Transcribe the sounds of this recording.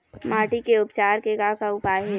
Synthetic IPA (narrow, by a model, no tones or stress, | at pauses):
maːʈikeʊpt͡ʃaːɾkeɡakaʊpaːjɦɛː